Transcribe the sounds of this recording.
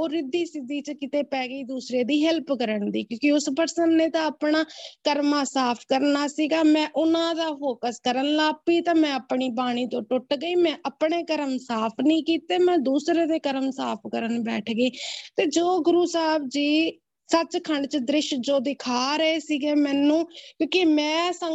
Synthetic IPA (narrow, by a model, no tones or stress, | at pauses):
oːɾɪd̪ːiːsɪd̪iːt͡ʃkɪt̪eːpɛːɡiːd̪uːsɾeːd̪iːɦɛlpkəɾəɳd̪iːkjõːkiʊspəɾsənːẽːt̪ãːəpɳaːkəɾmãːsaːpʰkəɾnaːsiːɡaːmɛ̃ːʔʊnãːd̪aːfoːkəskəɾənlaːpiːt̪ãːmɛ̃ːəpɳiːbaːɽ̃iːt̪õːʈʊʈɡəiːmɛ̃ːʔəpɳeːkəɾəmsaːpʰnĩːkiːt̪eːmɛ̃ːd̪uːsɾeːd̪eːkəɾəmsaːpʰkəɾənbɛːʈʰɡeiːt̪eːd͡ʒoːɡʊɾuːsaːbd͡ʒiː | sət͡ʃkʰəɳɖt͡ʃd̪ɾɪʃd͡ʒoːd̪ɪkʰaːɾəeːsiːɡeːmɛ̃ːnũːkjõːkimɛ̃ːsə